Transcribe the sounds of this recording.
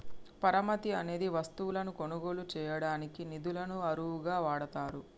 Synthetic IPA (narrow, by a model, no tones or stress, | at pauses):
pɐɾɐmɐt̪iɐne̞ːd̪iʋɐst̪uwulɐnuko̞nuɡo̞ːlut͡ʃɛːjɐɽaːnikinid̪ulɐnuɐɾuwuɡaːʋaːɽɐt̪aːɾu